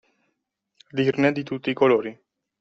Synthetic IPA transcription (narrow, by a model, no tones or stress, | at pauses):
d̪irned̪it̪ut̪ːiːkoloːɾi